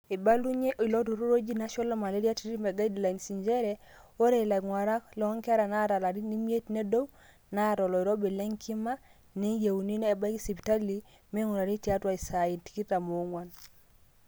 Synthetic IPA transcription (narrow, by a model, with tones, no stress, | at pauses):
e˨ba˦lu˦ɲe˦ʔi˨lo˦to˨ɾo˦ɾo˦d͡ʒi˦na˦ʃɔ˦lɔ˦ma˨le˦ɾi˦a˦ti˦ɾi˦mɛ˨ɡa˦i˦dla˨i˨nsi˨ɲd͡ʒɛ˦ɾɛ˦ | o˦ɾe˨la˨ŋwa˨ɾa˦klɔ˨˦ŋkɛ˦ɾa˨na˦˨ɾa˨la˨ɾi˦ni˦mje˦tne˦do˦w | na˦˨ɾɔ˨lɔ˨i˨ɾo˦be˨lɛ˦ŋkʰi˦ma˦ | ne˦je˨u˨ni˦neː˦˨ba˦ksi˨pi˨ta˦li˦ | me˦ŋu˨ɾa˨ɾi˦tja˦twa˦i˨sa˨i˨nti̥˨ki˦ta˨mo˨˦ŋwa˦n